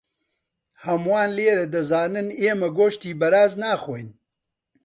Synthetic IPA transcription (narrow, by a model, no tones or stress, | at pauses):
hɐmwaːnleːɾɐd̪ɐzaːnɨneːmɐɡoːʃt̪iːbɐɾaːznaːxoːjn